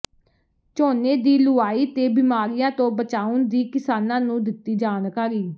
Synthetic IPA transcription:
t͡ʃoːneːd̪iːlʊaːiːt̪eːbɪmaːɾijãːt̪õːbət͡ʃaːʊnd̪iːkɪsaːnãːnũːd̪ɪt̪ːiːd͡ʒaːnkaːɾiː

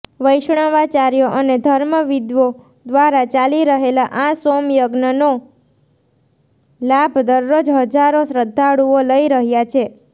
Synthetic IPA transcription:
ʋəjʃɳ̃aʋat͡ʃaɾjoʔəned̪ʱəɾməʋid̪ʋo | d̪ʋaɾat͡ʃaliɾəɦelaʔãsomjəɡnəno | labʱd̪əɾːod͡ʒɦəd͡ʒaɾosɾəd̪ʱːaɽuoləiɾəɦjat͡ʃʰe

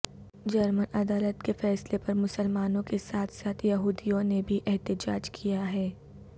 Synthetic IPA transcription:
d͡ʒɐɾmənɐd̪aːlət̪kefɛːslepɐɾmʊsəlmaːnõkesaːt̪ʰsaːt̪ʰjɐɦuːd̪ijõnebʱiʔɛɦt̪ɪd͡ʒaːd͡ʒkʰijaɦɛː

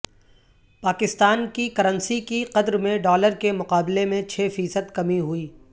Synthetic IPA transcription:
paːkɪst̪aːnkikɐɾə̃nsikiqɐd̪ɾmẽɖɔːləɾkemʊqaːblemẽt͡ʃʰeːfiːsəd̪kɐmiɦʊiː

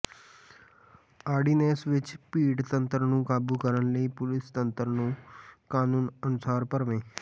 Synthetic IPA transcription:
aːɾɖiːnɛːsʋɪt͡ʃpiːɖt̪ənt̪ɾnũːkaːbuːkəɾənləiːpʊlɪst̪ənt̪ɾnũːkaːnũːnənʊsaːɾpəɾʋẽː

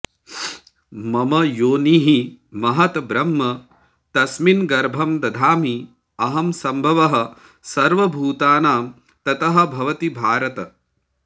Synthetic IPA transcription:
mɐmɐjoːniːɦi | mɐɦɐt̪bɾɐmːɐ | t̪ɐsminɡɐɾbʱɐmd̪ɐd̪ʱaːmi | ɐɦɐmsɐmbʱɐʋɐɦɐ̆ | sɐɾʋɐbʱuːt̪aːnaːm | t̪ɐt̪ɐɦɐ̆bʱɐʋɐt̪ibʱaːɾɐt̪ɐ

